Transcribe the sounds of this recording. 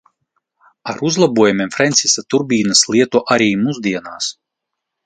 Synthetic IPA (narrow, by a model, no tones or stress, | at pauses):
aɾuzlˠabuɔjumʲiɛmfɾɛnt̪sisat̪uɾbʲiːnaslʲˠiɛt̪uʔaɾiːmuzd̪iɛnaːs